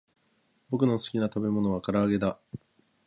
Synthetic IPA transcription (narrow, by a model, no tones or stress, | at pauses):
bo̞k̬ɯ̟no̞sɨ̥kʲinat̪abe̞mo̞no̞βakaɾaːɡe̞d̪a